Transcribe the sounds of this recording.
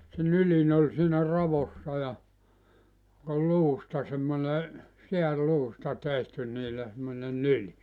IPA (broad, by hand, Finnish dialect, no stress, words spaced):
se nylin olʲ siːnæ rɑʋosːɑ jɑ ol luːstɑ semːone seærluːstɑ tehty niːlːæ semːone nyli